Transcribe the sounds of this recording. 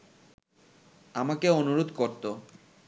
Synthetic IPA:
amakeonuɾod̪koɾt̪o

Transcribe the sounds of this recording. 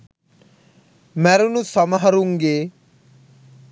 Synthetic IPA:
mɛɾunusɐmaɦɐɾuŋɡeː

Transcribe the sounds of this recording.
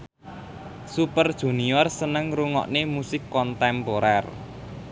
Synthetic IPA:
supərd̥ʒ̥ṳniɔrsənəŋɾuŋɔ̰ʔnemusɪkːɔnt̪ɛmpoɾɛr

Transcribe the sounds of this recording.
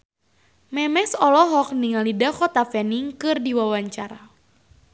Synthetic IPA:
mɛmɛsɔlɔɦɔk̚niŋalidaxɔt̪afɛniŋkɨrdiwawaɲt͡ʃaɾa

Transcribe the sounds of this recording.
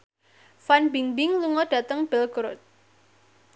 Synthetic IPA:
fanbiŋbɪŋluŋɔɖ̥ä̤t̪əŋb̥ɛlɡɾot̪̚

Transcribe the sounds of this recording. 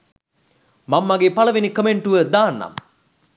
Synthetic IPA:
mamːɐɡepaləʋinikəmeɳʈuʋəd̪aːnːa̰m

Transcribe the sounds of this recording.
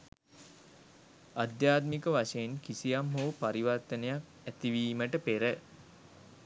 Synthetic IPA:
ad̪jaːt̪mikəʋaʂeenkisijamɦoːpaɾiʋart̪ənejak | æt̪iʋiːməʈəpeɾə

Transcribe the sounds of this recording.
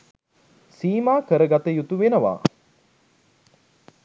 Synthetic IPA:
siːmaːkəɾəɡat̪əjut̪uʋenəʋa̰ː

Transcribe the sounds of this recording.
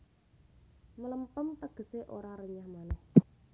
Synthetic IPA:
mələmpəmt̪əɡ̥ə̤seʔoɾaɾəɲahmanɛh

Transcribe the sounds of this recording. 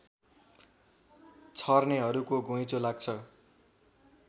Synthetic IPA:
t͡sʰʌrneɦʌɾukoɡõjt͡solaɡ̚t͡sʰʌ

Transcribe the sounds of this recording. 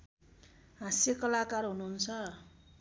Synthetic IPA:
ɦãsekʌlakarɦunuɦunt͡sʰʌ

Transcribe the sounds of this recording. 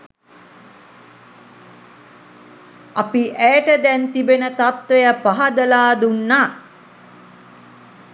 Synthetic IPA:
apiʔæʈəd̪ɛnt̪ibenət̪at̪ʋejapaɦad̪əlaːd̪unːaː

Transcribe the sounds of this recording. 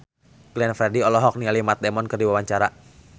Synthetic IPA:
klɛnfɾɛdiɔlɔɦɔk̚nialimat̪̚dɛmɔnkɨrdiwawaɲt͡ʃaɾa

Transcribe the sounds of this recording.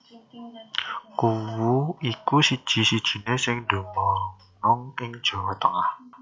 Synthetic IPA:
kuwuikusid̥ʒ̥i̤sid̥ʒ̥i̤nesɪŋd̥o̤mɔ | nɔŋɪŋd̥ʒ̥o̤wɔt̪əŋah

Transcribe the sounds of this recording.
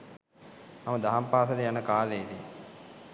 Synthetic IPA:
maməd̪aɦampaːsəd̪əjanəkaːleːd̪i

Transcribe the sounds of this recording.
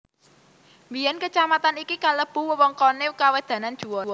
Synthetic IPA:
mbijankət͡ʃamat̪anikikaləb̥ṳwəwɔŋkɔnekawəd̪̥ä̤nand̥ʒ̥ṳwɔɔ

